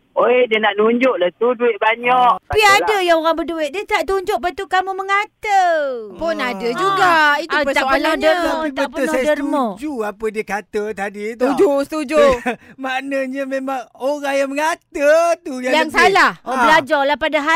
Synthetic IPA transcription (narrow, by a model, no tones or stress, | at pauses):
oediənaʔnuɲd͡ʒʊʔlat̪uduɪt̪̚baɲɔʔapiadəjaŋoɾaŋbəduɪt̪̚diət̪aʔt̪uɲd͡ʒʊʔpat̪ukamuməŋat̪əpʊnadəd͡ʒuɡait̪uapət̪aənaɲdəmt̪aətpəʊndərmod͡ʒuapədiəkat̪ət̪adit̪d͡ʒusət̪ud͡ʒumanəɲamemaŋoɾaŋjaməŋat̪ət̪ujajaŋsalahbəlad͡ʒɔrlahpadaɦa